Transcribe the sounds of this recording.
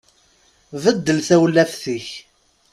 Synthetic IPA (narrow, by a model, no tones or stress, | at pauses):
vəd̪ːəlθæwlːæfθiç